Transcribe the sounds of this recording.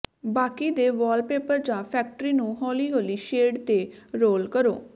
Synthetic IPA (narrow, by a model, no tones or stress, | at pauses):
baːkiːd̪eːʋɔːlpeːpəɾd͡ʒãːpʰɛːk̚ʈəɾiːnũːɦɔːliːɦoːliːʃeːɖt̪eːɾoːlkəɾo̰ː